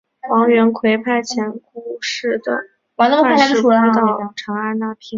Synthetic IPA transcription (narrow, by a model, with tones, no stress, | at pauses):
wɑ˧˥ŋɥɛ˧˥nkʰwe˧˥ɪpʰa˥˩ɪt͡ɕʰjɛ˧˥nku˥˧ʂɻ̩˥˩d̪ə̰˩ | wna˥˩mʰ˧˥a˥ʂu˧˥˩a˥t̪ɑ˥˧˥ʈ͡ʂʰɑ˧˥ŋa˥˧na˥˩pʰi˥˩ŋ